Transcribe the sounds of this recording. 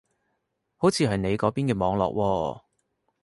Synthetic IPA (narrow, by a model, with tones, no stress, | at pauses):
ho˨˥wt͡sʰiː˨˧ɦɐ˨jne˨˧jkɔː˨˥piː˥nkɛː˧mɔː˨˧˥ŋlɔ̰ː˨k̚wɔː˧